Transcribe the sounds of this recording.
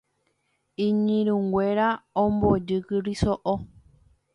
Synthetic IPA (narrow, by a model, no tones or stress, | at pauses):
ĩɲĩɾũŋɡʷeɾaõmbod͡ʒɨkɨɾisoʔo